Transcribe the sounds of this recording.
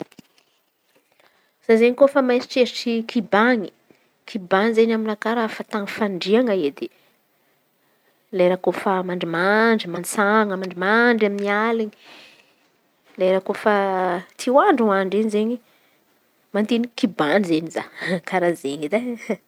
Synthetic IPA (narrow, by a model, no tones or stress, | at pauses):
z̥azeɲikofəmajsi̥ʈ͡ʂeɾiʈ͡ʂikʰibaɲi̥ | kʰibaŋizeɲaminakaɾafat̪aŋfaɳɖ͡ʐiaŋaed̪e | lajɾakofamaɳɖ͡ʐimaɳɖ͡ʐimansaŋamaɳɖ͡ʐimaɳɖ͡ʐaminialiɲi̥ | lajɾakofət̪ʰiwaɳɖ͡ʐuaɳɖ͡ʐeɲzeɲi | mant̪enikibanizeniza̰kaɾazeɲid̪a